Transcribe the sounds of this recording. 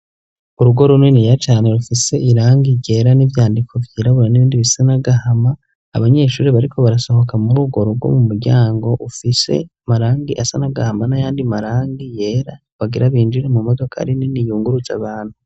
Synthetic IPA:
uɾuɡo̞ɾunwenijat͡ʃaːne̞ɾufise̞ʔiɾaːŋɡiɟe̞ɾanivjaːndikʰo̞vjiːɾaβuɾaniβiːndiβisanaɡahama̰ː | βaɲe̞ːʃuːɾiβaɾikʰo̞βaɾaso̞ho̞kamuɾuɡo̞ɾuɡwo̰mumuɾɟaːŋɡo̞ʔufise̞̰ | maɾaːŋɡiʔasanaɡahamanajaːndimaɾaːŋɡije̞ːɾa | βaɡiɾaβiːnd͡ʒiɾemumodo̞kʰa̰ɾininijuːŋɡuɾuza̰βaːnhu

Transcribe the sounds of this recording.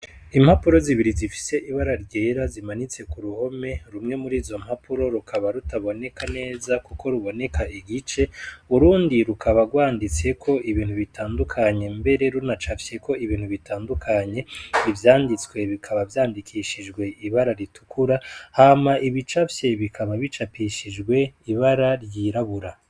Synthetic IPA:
im̥hapuɾo̞ziβiɾizifi̥se̞ʔiβaɾaɾɟe̞ːɾazimanit͡se̞kuɾuho̞me̞ɾumŋe̞muɾiːzo̞m̥hapʰuɾo̞ɾukʰaβaɾutaβo̞ne̞kane̞ːzakukʰo̞ɾuβo̞ne̞kaʔiɡit͡ʃe̞uuɾuːndiɾukʰaβaɡwaːndit͡se̞kʰo̞ʔiβiːn̥huβitʰaːndukʰaɲe̞mbe̞ɾe̞ɾunat͡ʃafje̞ko̞iβiːn̥huβitʰaːndukʰaɲe̞ivjaːndit͡swe̞βikʰaβavjaːndikʰiʃid͡ʒɡwe̞iβaɾaɾitʰu̥kʰuɾahaːmaʔiβit͡ʃafje̞βikʰaβaβit͡ʃapiʃid͡ʒɡwe̞iβaɾaɾjiɾaβuɾa

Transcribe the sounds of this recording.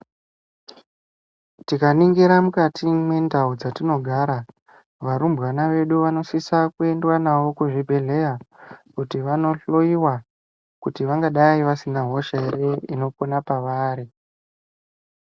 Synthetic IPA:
tikaniŋɡiɾamukatʰimwe̞ndaud͡zatino̞ɡʱaɾa | ʋaɾumbwanaʋe̞ɗuʋano̞sisakue̞ndwanawo̞kuʐibʱe̞ɮe̞jakutiʋano̞ɬo̞iwa | kutiʋaŋɡaɗaiʋasinaɦo̞ʃaeɾeino̞ponapaʋaːɾi

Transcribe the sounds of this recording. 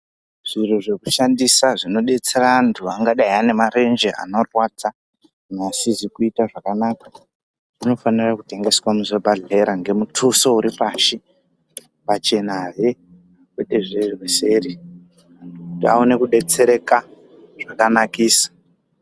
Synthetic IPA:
ʐ̥ir̤uʐe̞ku̥ʃandisaʐino̞ɗe̞t͡se̞rantʰuaŋɡaɗaiane̞maɾe̞nd͡ʒea̰no̞rwat͡sa | nasizikuitaʐakanaːkḁ | ʐ̥ino̞fanirakute̞ŋɡe̞swamuzebʱaɮeɾaŋɡe̞mutʰusouɾipaːʃi | pat͡ʃe̞naɦe | kweɗeʐerirwese̞ːri | ta̰one̞kuɗe̞t͡se̞ɾe̞ka | ʐ̥akanakiːsḁ

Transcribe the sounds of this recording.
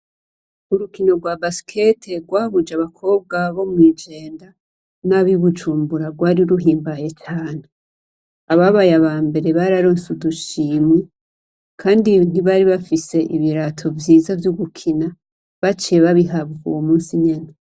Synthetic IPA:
uɾukino̞ɡwabasi̥kʰe̞tʰe̞ɡwaβud͡ʒaβakʰo̞ːb̚ɡaβo̞mŋiːd͡ʒe̞ːnda | naβiβud͡ʒuːmbuɾaɡwaːɾiɾuɦiːmbaje̞t͡ʃaːne | aβaβajaβaːmbe̞ɾe̞βaɾaɾoːnsuduʃimŋe | kʰaːndin̥iβaɾiβafise̞ʔiβiɾatʰo̞vjiːzavjuɡukʰina | βat͡ʃeβaβiɦaβuṵwomuːnsiɲena

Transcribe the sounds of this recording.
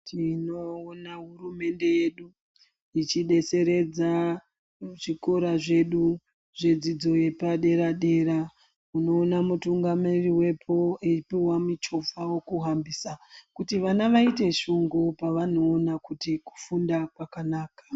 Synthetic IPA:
tʰinoːnaɦurume̞nde̞jeɗu | it͡ʃiɗe̞se̞ɾe̞d͡za | ʐiko̞ɾaʐe̞ɗu | ʐe̞d͡zid͡zo̞je̞paɗe̞ɾaɗe̞ːɾa | uno̞ːnamutuŋɡamiriwe̞pʰo̞epiwamit͡ʃo̞vawo̞kuɦambisakutiʋanaʋaite̞ʃuŋɡopaʋano̞ːnakutiku̥fundakwakanaːkḁ

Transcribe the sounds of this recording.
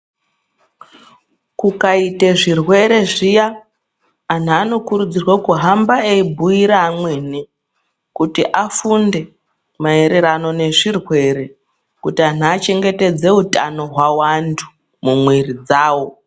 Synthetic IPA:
kukaiteʐirwe̞ɾe̞ʐijaː | n̤aːno̞kuɾud͡zirwakuɦambaeibʱuiɾaːmweːni | kutiʔafunde̞ | mae̞ɾe̞ɾano̞ne̞ʐirwe̞ɾe̞ | kutian̤aːt͡ʃe̞ŋɡe̞te̞d͡ze̞uta̰no̞ɦwawantʰu̥ | mumwerid͡zaːwo̞

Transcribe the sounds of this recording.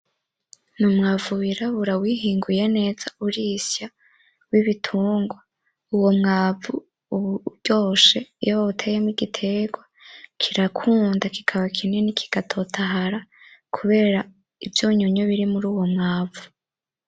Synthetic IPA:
numŋaːvuwiɾaβuɾawiːɦiːŋɡuje̞ne̞ːzauɾisja | wiβitʰuːŋɡwa | uwo̞mŋaːvu | βuɟ̥o̞ːʃe̞jaβaβutʰejemiɡitʰe̞ɡwakʰiɾakʰuːndaki̥kʰaβakʰine̞nikʰi̥ɡ̥atʰo̞tʰaɦaɾakʰuβe̞ːɾa | ivjoːɲuɲoβiɾimuɾuːwo̞mŋaːvu

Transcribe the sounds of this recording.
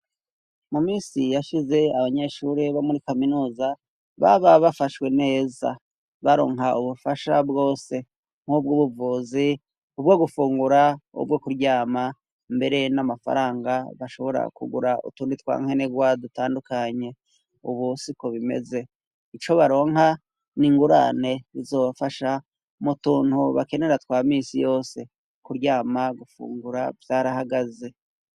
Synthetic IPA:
mumiːsijaʃize̞aβaɲe̞ʃuɾeβamuɾikaminuːza | βa̰βaβafaʃwe̞ne̞ːza̰ | βaɾo̞ːŋɦauβufaʃabɡo̞ːse̞ | ŋ̥hub̚ɡuβuvuːzi | ubɡoɡufuːŋɡuɾaṵbɡokuɾɟaːma | mbe̞ɾe̞namafa̰ɾaːŋɡaβaʃo̞βo̞ɾa̰kṵɡṵɾaṵtuːndit̪wa̰ːŋ̥eneɡwadutaːndukaɲe̞ | uβusikoβime̞̰ze̞ | it͡ʃo̞βaɾo̞ːŋɦa | niŋɡuɾa̰ne̞ɾizo̞ːβafaʃa | mutuːnhuβake̞ne̞ɾatwaːmiːsijo̞ːse̞ | kuɾɟaːmaɡufṵːŋɡuɾavjaɾaɦaɡaze̞

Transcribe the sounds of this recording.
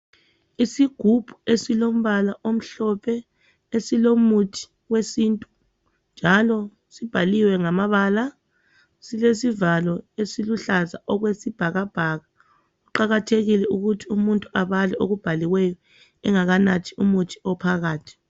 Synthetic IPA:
isiɡ̥ʱub̥ʱuesilom̩βalaʔom̩ɬɔpʰɛ | esilomutʰi̥ | wesiːntʼu̥ | nd͡ʒʱalɔ | sib̥ʱaliwɛŋamaβaːla | silesivalɔesiluɬaza̰ʔɔɣwesib̥ʱaɣab̥ʱaɣa | uǃaɣatʰeɣilɛuɣutʰiumuntʼuaβalɛʔoɣub̥ʱaliwɛjɔ | ɛŋaɣanatʰiumutʰi̥ɔpʰaɣaːtʰi̥

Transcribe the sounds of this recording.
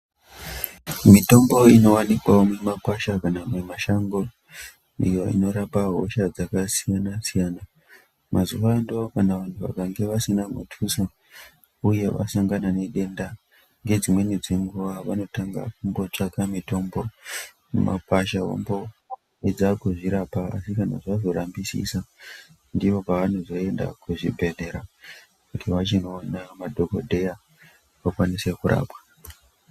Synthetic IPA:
mito̞mbo̞ino̞wanikwaomemapaʃakanamwemaʃaŋɡo̞ | ijo̞ḭno̞ɾapaɦo̰ʃad͡zakasijanasijaːna | mazuʋando̞kanaʋan̤uʋa̰kaŋɡe̞ʋasinamṵtʰuso | uje̞ʋa̰saŋɡanane̞ɗe̞nda | ŋɡe̞d͡zimwe̞nid͡zeŋɡuʋaʋano̞taŋɡa̰k̚umbo̞t͡ʂakamito̞mbo̞ | mṵma̰paʃaɦo̰mbo̞ | ed͡zakuʐiɾapaa̰sikana̰ʐazo̞ɾambisḭsa | ndiʋo̞paʋan̤ozo̞e̞nda̰kuʐibʱe̞ɮe̞ɾa | kutʰiʋat͡ʃino̞ːnamadʱo̞ko̞dʱe̞ja | ʋakwanise̞kuɾa̰ːpwḁ

